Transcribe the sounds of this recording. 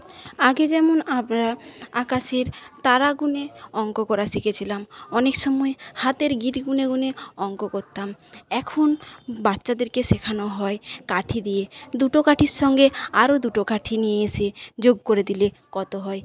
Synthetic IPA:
aɡed͡ʑɛmonamɾaakaʃeɾt̪aɾaɡuneɔŋkokɔɾasikʰet͡ɕʰilamɔnekʃɔmɔehat̪eɾɡiʈɡuneɡuneɔŋkokoɾt̪amɛkʰonbat̪ːɕad̪eɾkeʃekʰanoɦɔekaʈʰid̪ijed̪uʈokaʈʰiɾʃɔŋɡeaɾod̪uʈokaʈʰinijeesʰed͡ʑoɡkoɾed̪ile | kɔt̪oɦɔe

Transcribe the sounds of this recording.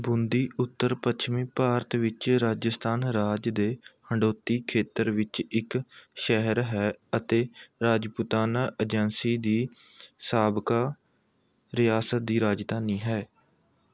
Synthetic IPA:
bʊnd̪iːʔʊt̪ːəɾpət͡ʃʰmiːpaːɾt̪ʋɪt͡ʃɾaːd͡ʒəst̪ʰaːnɾaːd͡ʒd̪eːhəɳɖoːt̪ːiːkʰeːt̪əɾʋɪt͡ʃɪkʃɛɦəɾɦɛːət̪eːɾaːd͡ʒpʊt̪aːnaːʔəd͡ʒənsiːd̪iːsaːbkaː | ɾɪjaːsət̪̚d̪iːɾaːd͡ʒd̪aːniːɦɛː

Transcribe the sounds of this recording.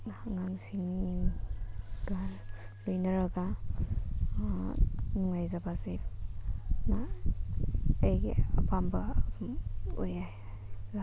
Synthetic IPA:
ŋaŋsiŋ | ɡallujnaɾaɡa | nuŋajzabaze | na | ejɡḛapʰamba | ojaj | za

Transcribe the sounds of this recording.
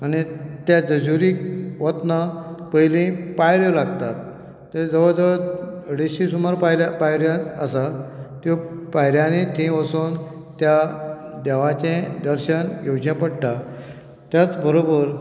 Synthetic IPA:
añit̪jad͡zəd͡zuɾiːkʋət̪napəɦilĩpajɾjəlaɡt̪at̪ː | ed͡zəʋəd͡zəʋəɽiɕisumaɾpapajɾjãt͡səsat̪õpajɾjãnet̪ʰẽʋəsont̪jad̪ɛʋat͡ɕẽd̪əɾɕənjod͡ʑnjãpəɽʈa | t̪jat͡sbʱəɾobəɾ

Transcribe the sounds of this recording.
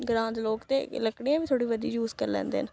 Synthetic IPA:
ɡɾãːnt̪loːkt̪eːləkɽiːãːbiːt̪ʰoːɽiːʋəd̪ijuːzkəɾlɛ̰̃ːnd̪ḛːən

